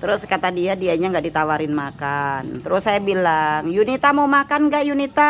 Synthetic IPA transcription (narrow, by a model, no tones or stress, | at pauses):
t̪əɾʊskat̪adiadiaɲaŋɡaʔdit̪awaɾɪnmakant̪əɾʊsːajabilaŋjunit̪amaumakanɡaʔjunit̪a